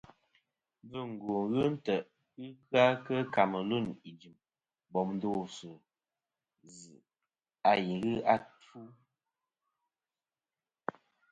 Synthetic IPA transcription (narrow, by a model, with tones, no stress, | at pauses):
bɨ˦ŋ̩˨ɡo˨ɣɨ˦n̩˦tə˨ | ɨ˦kɰa˦kə˦ka˨mə˨lu˦˨ni˨d͡ʒi˨m | bɔ˨mn˦do˦˨sɨ˨ | zɨ˨ | a˨ji˨ɣɨ˦a˦tu˦